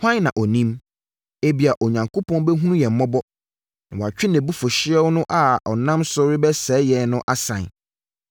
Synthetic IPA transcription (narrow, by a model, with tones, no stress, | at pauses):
hã˦n˦nã˨ʔɔ˨nĩ˦m | e˦bi˨a˨ʔɔ˨ɲã˨ŋkʰo˦pʰɔ̃˦n˦bɛ˦ɦũ˦nũ˦jɛ˨m̩˨mɔ̃˦bɔ˦ | nã̰˨wɔ˨a˨t͡ɕᶣɪ˦nɛ̃˨bu˦fɔ˨ɕɪ˦ɛ˦wnʊ̃˦ʔa˨ɔ˨nã˦msʊ˦ɾɪ˦bɛ˦sɛː˨˦jɛ˨nʊ̃˦ʔa˦sã̰˨n